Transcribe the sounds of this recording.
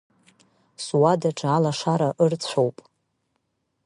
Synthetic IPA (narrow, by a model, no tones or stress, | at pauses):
swadaʈ͡ʂʰʼalaʂaɾaʔɨrt͡sʷʰowpʼ